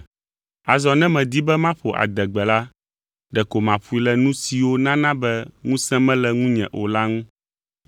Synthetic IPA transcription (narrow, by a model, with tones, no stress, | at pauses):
a˨zɔ˨nɛ̃˦mɛ̃˨d̪i˦bɛ˦mã˦ɸo˨ʔa̰˨d̪ɛ˨ɡ͡bɛ˨la˦ | ɖɛ˨ko˨mã˨ɸu˦i˦lɛ˨nũ˦si˨wo˦nã˦nã˦bɛ˦ŋũ˦sɛ̃˦mɛ̃˦lɛ˦˨ŋũ˦ɲɛ̰̃˨ʔo̰˨la˦ŋũ˦